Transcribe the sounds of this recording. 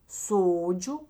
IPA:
ˈsoːd͡ʒʲʊ

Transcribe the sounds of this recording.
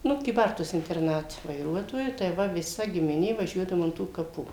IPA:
ˈnʊ kʲiːˈbɐrtuɔs ɪnʲtʲɛrˈnɑːtʲɛ ʋɐɪˈruɔtoːjʊ tɐɪ ˈʋɐ ʋʲɪˈsɐ ɡʲɪmʲɪˈnʲeː ʋɐˈʒʲuɔdɐʋʊ ɐn ˈtuː kɐˈpuː

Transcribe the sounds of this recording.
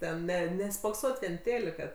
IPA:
ˈtʲɛn ˈnʲɛ nʲɛspoːkˈsoːtʲ ʋʲiɛn ˈtʲeːlʲɪkɐ

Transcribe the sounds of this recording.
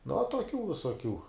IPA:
nʊ uɔ toːˈkʲuː ʋʲɪsoːˈkʲuː

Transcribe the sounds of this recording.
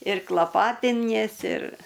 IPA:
ɪr klˠɐˈpɑːtʲɪnʲiɛsʲɪ ɪr

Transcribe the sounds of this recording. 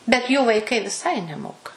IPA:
bʲɛt juː ʋɐɪˈkɐɪ ʋʲɪˈsɐɪ nʲɛˈmoːkɐ

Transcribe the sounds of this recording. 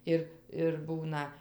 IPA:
ˈɪr ɪr ˈbuːnɐ

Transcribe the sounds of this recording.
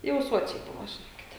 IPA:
jɛʊ ˈsuɔt͡ʃʲɛɪ ˈbʊʋoː ʒʲɪˈnoːkʲɪtʲɛ

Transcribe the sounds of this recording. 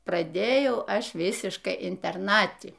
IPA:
prɐˈdʲeːjɛʊ ˈɐʃ ˈʋʲɪsʲɪʃkɐɪ ɪnʲtʲɛrˈnɑːtʲɪ

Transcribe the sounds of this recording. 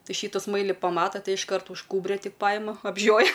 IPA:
ˈtɐɪ ˈʃʲiːtʊ ˈsmɐɪlʲɪ pɐˈmɑːtɐ ˈtɐɪ ɪʃˈkɐrt ʊʃ ˈkuːbʲrʲoː ˈtʲɪk ˈpɑːjɪmɐ ɐbʲˈʒʲoːjɛ

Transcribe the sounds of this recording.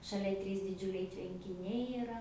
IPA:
ʃɐˈlʲɛ ˈtʲrʲiːs dʲɪˈd͡ʒʲʊlʲɛɪ tʲʋʲɛŋʲkʲɪˈnʲɛɪ ɪˈrɐ

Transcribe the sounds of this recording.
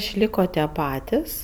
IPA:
ɪʃʲˈlʲɪkoː tʲiɛ ˈpɑːtʲɪs

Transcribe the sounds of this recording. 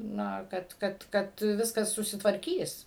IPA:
ˈnɐ ˈkɐt ˈkɐt ˈkɐt ˈʋʲɪskɐs sʊsʲɪtʋɐrʲˈkʲiːs

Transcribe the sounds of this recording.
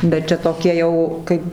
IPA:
bʲɛt ˈt͡ʃʲɛ toːˈkʲiɛ ˈjɛʊ ˈkɐɪp

